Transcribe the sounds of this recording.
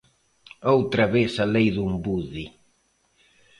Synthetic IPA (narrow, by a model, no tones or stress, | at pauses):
owt̪ɾɐβesalejðumbuði